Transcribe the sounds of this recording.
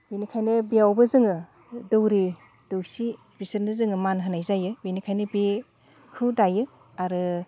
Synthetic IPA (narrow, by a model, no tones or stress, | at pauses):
binikʰajnɯbiawbɐzɯŋɯ | dɯwɾi | d̥ɯwsi | bisɯɾnɯzɯŋɯmanɦɯnajzajɯbenikʰajnɯbe | hʰɯdajɯ | aɾɯ